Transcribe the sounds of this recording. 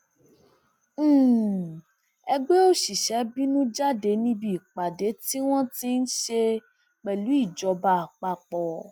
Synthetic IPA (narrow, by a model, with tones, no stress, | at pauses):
ɛ˧ɡ͡be˦o˦ʃi˨ʃɛ˨˦bi˦nũ˦d͡ʒa˦de˨˦nĩ˦bi˦i˨k͡pa˨de˨˦ti˦w̃ɔ̃˦ti˦n̩˦ʃe˧ | k͡pɛ˨lu˨˦i˦˨d͡ʒɔ˨˦ba˧a˨k͡pa˧k͡pɔ˨